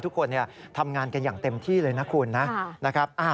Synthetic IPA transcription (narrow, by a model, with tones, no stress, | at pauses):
t̪ʰu˦˥kʰːo˧nːi˥˩ɐt̪ʰa˧mŋaː˧nka˧njaː˨˩ŋt̪e˧mt̪ʰiː˥˩lɤː˧jna˦˥kʰuː˧nːa˦˥na˦˥kʰɾa˦˥p̚ʔaː˧˩